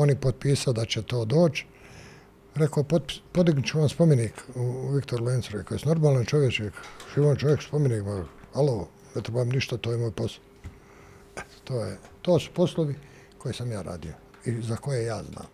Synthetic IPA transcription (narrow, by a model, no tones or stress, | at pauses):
o̞nipod̪̚piːsaod̪at͡ɕet̪o̞ːd̪o̞ːt͡ʃ | ɾekopoppod̪iɡnut͡ʃuʋamspomeniːkuʋikt̪oɾleːnsoɾekojesno̞ɾmaːlant͡ʃoʋjet͡ʃekʒiʋont͡ʃoʋjekspomeniːkmahaloː | net̪ɾebaːamniʃt̪at̪oːjemoːjposloʋ | t̪oːjet̪o̞ːsu̥po̞slˠoʋi | kʰo̞jisamjaːɾa̰ːd̪ijo̰ | izako̞jejaːzna̰ːm